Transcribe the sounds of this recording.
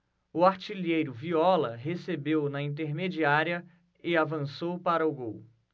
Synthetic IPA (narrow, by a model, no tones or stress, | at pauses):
ʊaɾt͡ʃiliejɾʊviɔlɐɦesebewnɐĩnt̪̬eɾmed͡ʒiaɾiɐ | ɪavɐ̃sowpaɾɐʊɡow